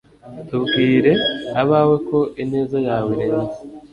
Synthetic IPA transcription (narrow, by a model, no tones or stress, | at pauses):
tubɡiːɾe̞aβaːwe̞ko̞ʔine̞ːzajaːweɾeɲa